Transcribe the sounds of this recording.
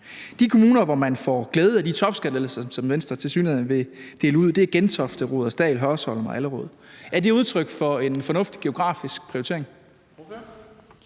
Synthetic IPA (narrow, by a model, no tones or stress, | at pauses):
d̥ikʰo̝muːnɐʋɒmænfɒɡ̥leːð̞̩ˠæd̥it͡sʰɒ̽b̥sɡ̥ælelsɐsɒ̽mʋensd̥ʁɐt͡sʰe̝lsy̰ːneʋe̝d̥e̝̰ːləuð̞̰ˠd̥e̝æɐɡ̥ent͡sʰɒ̽fd̥əʁo̝ːðˠɒsd̥ɛ̰ːlɦœɐsɒ̽ləmɑɪæləʁɔ̰ːðˠæɐd̥e̝uð̞ˠt͡sʰʁœɡ̥fɒ̽e̝nfɒ̽nɔ̽fd̥i̥ɡ̥e̝o̝ɡ̥ʁɑ̰̈ːfisɡ̥̚pʰʁ̥iot͡sʰe̝ɐ̰e̝ŋ